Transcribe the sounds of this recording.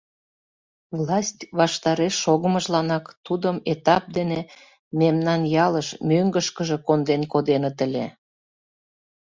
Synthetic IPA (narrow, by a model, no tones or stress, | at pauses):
vlɑsʲtʲβɑʃt̪ɑɾeʃːoɣəməʒlɑnɑkt̪ud̪əmet̪ɑp̚d̪ene | memnɑnjɑləʃmøŋɡəʃkəʒĕkond̪enkod̪enət̪əlʲḛ